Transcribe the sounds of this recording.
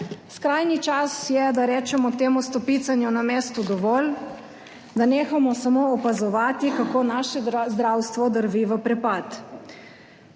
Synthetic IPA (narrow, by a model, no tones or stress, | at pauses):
skɾaːjnit͡ʃasjɛd̪aɾɛːt͡ʃɛmɔt̪eːmust̪ɔpit̪sanjunameːst̪ud̪ɔʋɔːl | d̪aneːxamɔsamoɔpazɔʋaːt̪ikakoːnaːʃɛzd̪ɾawst̪ʋɔd̪əɾʋiʋəpɾɛpat̪